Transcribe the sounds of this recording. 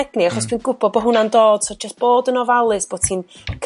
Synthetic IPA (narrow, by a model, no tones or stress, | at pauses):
ɛɡniaχɔstʰiːnɡʊbɔbɔɦʊnandoːd̥sod͡ʒəsb̥oːdənɔvalˠɨsb̥oːd̥tʰiːnkʰ